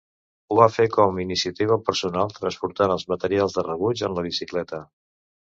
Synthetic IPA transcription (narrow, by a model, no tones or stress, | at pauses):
uβafekɔminisiət̪iβ̞əpəɾsunalˠt̪ɾənspuɾt̪anəlˠzmət̪əɾialˠzðərəβ̞ud͡ʒənləβ̞isiklɛt̪ə